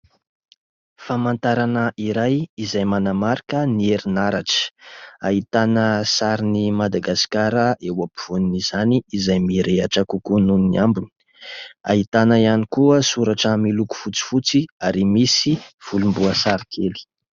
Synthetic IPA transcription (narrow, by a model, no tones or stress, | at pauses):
famant̪aɾanəʔiɾajizajmanamaɾikənieɾinaɾaʈ͡ʂə̥aɦit̪anəsaɾinimad̪aɡasi̥kaɾəʔewapiv̥uniniz̥aniːzajmiɾeaʈ͡ʂakukununniʔambuni̥ | a̰ɦit̪anəianikuəsuɾaʈ͡ʂəmiluku̥fut͡si̥fut͡siaɾimisiv̥ulumbuəsaɾikʰeli̥